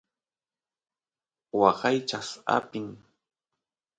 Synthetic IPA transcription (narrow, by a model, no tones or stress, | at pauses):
wɑɢɑjt͡ʃasa̰pɪŋ